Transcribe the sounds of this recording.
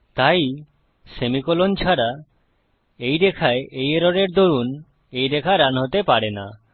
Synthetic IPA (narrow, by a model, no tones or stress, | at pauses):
t̪aj | semikolont͡ɕʰaɾa | ejɾekʰaeʔejeɾoɾeɾd̪oɾun | ejɾekʰaɾanɦot̪epaɾena̰